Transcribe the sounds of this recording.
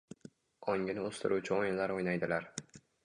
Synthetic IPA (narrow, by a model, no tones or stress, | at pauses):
ɒŋɡʲɪnɪɵz̥t̪ʰɪɾʔuwt͡ʃʰɪojɪnlaɾojnajd̪ɪlaɾ